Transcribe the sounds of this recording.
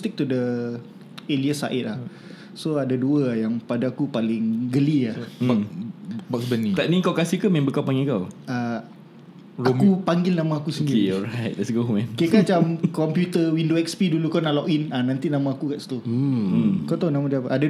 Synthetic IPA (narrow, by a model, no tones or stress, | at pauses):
st̪ik̚t̪udə | eliəsa̰ʔɪt̪̚lah | soadaduəajaŋpadaakupalɪŋɡəlia | bɔksbənit̪aʔniŋkawkasihkəmẽmbəkawpaŋɡɪlkawa | akupaŋɡɪlnãmaːkusəndiɾieɔɹajt̚dɛtsɡoɦumɛ̃nkikat͡ʃamkɔmpjut̪əwindoɛkspidulukɔnaʔlɔkinanãnt̪inãmãakukaʔst̪o | kat̪onamad͡ʒapʔada